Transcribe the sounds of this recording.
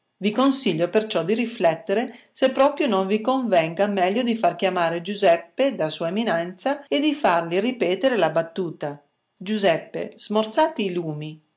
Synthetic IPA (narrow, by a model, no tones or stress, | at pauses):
vikonsiʎːopert͡ʃɔd̪iɾiflɛt̪ːeɾe | sepːɾɔːpɾjonoɱvikoɱvɛŋɡamɛʎːod̪ifark̟jamaːɾed͡ʒuzɛpːed̪asuːaeminɛnt̪saed̪ifarliripɛːt̪eɾelabat̪ːuːt̪a | d͡ʒuzɛpːḛz̥mort̪saːt̪iːluːmi